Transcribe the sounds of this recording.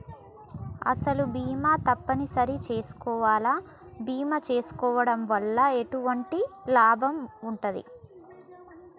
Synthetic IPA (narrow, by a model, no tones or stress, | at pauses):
ɐ̰sɐlubiːmaːt̪ɐpːɐnisɐɾit͡ʃe̞ːsu̥kɔːʋaːlaː | biːmɐt͡ʃe̞ːsu̥kɔːʋɐɽɐmʋɐlːɐe̞ʈuʋɐɳʈilaːbʱɐmuɳʈɐd̪ḭ